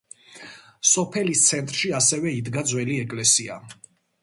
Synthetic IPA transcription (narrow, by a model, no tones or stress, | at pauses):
sɔpʰɛlist̪sʰɛnt̪ʼɾʃiasɛvɛid̪ɡad̪zwɛliɛkʼlɛsia̰